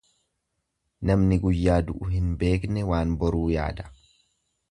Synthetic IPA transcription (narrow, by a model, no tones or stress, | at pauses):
nɐmnɪɡʊjːaːd̪ʊʔʊɦɪnbe̞ːknɛwaːnbɔɾuːja̰ːd̪ɐ̥